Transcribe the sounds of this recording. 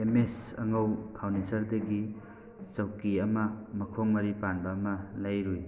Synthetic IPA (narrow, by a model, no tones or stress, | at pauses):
emesɐ̰ŋɐwpʰawnisɐɾdɐɡi | t͡sɐwkiɐmɐmɐkʰoŋmɐɾipanbaːmɐlajɾuj